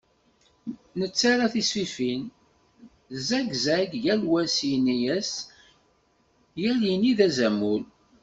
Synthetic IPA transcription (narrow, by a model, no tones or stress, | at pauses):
nət͡sːaɾaθisfifin | zæɡzæɡjælwæsinijæs | jæljiniðæzæmul